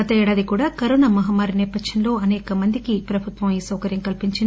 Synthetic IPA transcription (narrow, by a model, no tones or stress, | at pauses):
ɐt̪ɐɛːɽaːd̪ikuːɽaːkɐɾoːnaːmɐɦaːmaːɾinɛːpɐkʂɐnlo̞ːɐnɛːkɐmɐnd̪ikipɾɐbʱut̪ʋɐmiːsɐwkɐɾjɐmkɐlpiɲt͡ʃin